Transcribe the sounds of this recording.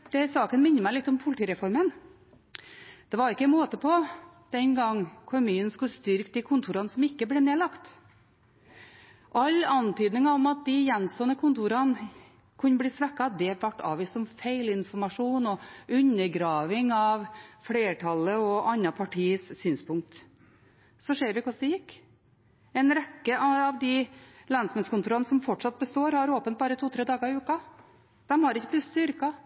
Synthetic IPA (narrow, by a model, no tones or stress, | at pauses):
d̪̥ɛsɑːkənmɪnːəɾmæɪlɪt̪ːɔmpʰʊlɪt̪ʰiːɾɛfɔɾmən | d̪̥ɛʋɑɾɪkːəmoːt̪əpʰɔ | d̪̥ɛnɡɑŋːkʰʊmyːən̩skʉlst̪ʏɾkd̪ɪkʰʊnt̪ʰuːɾɑnəsɔmɪkːəbleːneːlɑkt̪ | ʔɑlːɑnt̪yːd̪nɪŋɑɔmɑt̪̚d̪ɪjɛnst̪oːənəkʰʊnt̪uːɾɑn | kʰʉnːəbliːsʋɛkːɑd̪ɛʋæʈːɑ̰ːʋiːst̪ɔmfeɪlɪnfɔɾmɑʂuːnɔʉnːəɾɡɾɑːʋɪŋɑʋfleːʈʰɑlːəɔʔɑnːɑpʰɑʈʰiːəssyːnspʰʊŋk̚t̪ | sɔʂeːɾʋɪkɔsd̪ɛjɪkː | ɛɪnɾɛkːəʔɑɑʋd̪ɪlɛnsmɛnskʰʊnt̪uːɾɑnəsɔmfɔʈʂɑt̪̚bəst̪oːɾhɑɾoːpənt̪̚bɑːɾət̪ʰuːt̪ʰɾeːd̪ɑːɡəɾɪʉːkɑ | d̪̥ɛmhɑɾɪçːəblɪsst̪ʏɾkɑ